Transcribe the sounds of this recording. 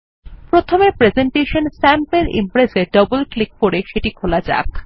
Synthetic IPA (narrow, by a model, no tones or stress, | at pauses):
pɾot̪ʰomepɾezeɳʈeʃonsɛmpeɾḭmpɾeseɖʌbolklik̚poɾeʃeʈikʰolad͡ʑa̰k